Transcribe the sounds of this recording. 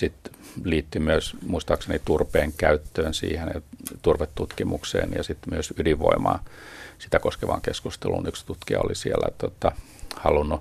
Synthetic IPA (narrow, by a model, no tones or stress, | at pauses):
sit̪liːt̪ːymyøsmuist̪ɑːksenit̪urpeːŋkæyt̪ːøːnsḭːhenjɑt̪urʋet̪tːut̪kimuksḛːnjɑ̰sit̪myøsydiʋʋo̰imɑ̰ːsit̪ækoskeʋɑ̰ːŋkeskust̪elṵnykst̪ut̪kiɑolisielæ̰t̪ot̪ːɑ | hɑlunːu